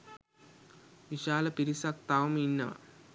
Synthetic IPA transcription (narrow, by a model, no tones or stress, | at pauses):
ʋiʃaːlɐpiɾisɐk̚t̪aːʋɐminːɐ̰